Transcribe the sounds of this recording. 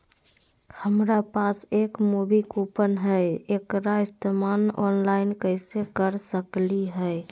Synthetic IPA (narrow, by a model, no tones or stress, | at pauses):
həmɾapasekmubikupənɦəekɾaist̪emanɔ̰nlaɪnkəɪsekəɾsəkliɦəj